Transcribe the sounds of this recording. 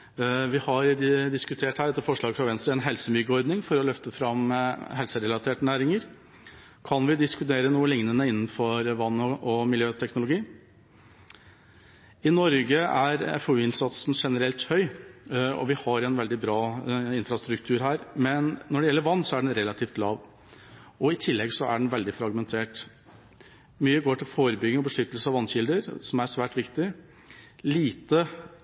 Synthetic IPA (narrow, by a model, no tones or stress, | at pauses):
ʋɪhɑɾd̪ɪskʉt̪ʰeːʈhæːɖɛt̪ːəfɔʂɭɑːɡfɾɑʋɛnst̪ɾəɛnɦɛlsəmʏɡəɔɾd̪nɪŋfɔɾɔlœft̪əfɾɑmɦɛlsəɾɛlɑt̪ʰeːʈənæːɾɪŋəɾ | kʰɑnʋɪd̪ɪskʉt̪eːɾənuːəlɪŋnənəɪnːn̩fɔɾʋɑnːɔɔmɪljøːt̪ʰɛknʊlʊɡiː | ɪnɔɾɡəæɾɛ̰foʉːɪnsɑt̪sn̩ʂɛnəɾɛlt̪hœʏ | ɔ̰ʋɪhɑɾɛnʋɛld̪ɪbɾɑːɪnfɾɑst̪ɾʉkt̪ʰʉːɾɦæːɾmɛnːɔɖɛjɛlːəɾʋɑnːsɔæɖɛnɾɛlɑt̪ʰiːft̪lɑːʋ | ɔɪt̪ʰɪlːɛɡsɔʔæ̰ɖɛnʋɛld̪ɪfɾɑɡmɛnt̪ʰeːʈ | myːəɡoːʈʰɪlfoːɾəbʏɡɪŋɔbəʂʏt̪ːəlsəɑʋɑnːɕɪld̪əɾsɔmæɾʂʋæːʈʋɪkt̪ɪ | liːt̪ə